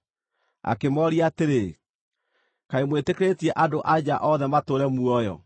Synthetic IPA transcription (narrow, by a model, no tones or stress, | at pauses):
a̰kemɔɾiateɾe | kaemwetekɾetiɛʔadoʔad͡ʑaʔɔðɛmatoːɾɛmuɔjɔ̰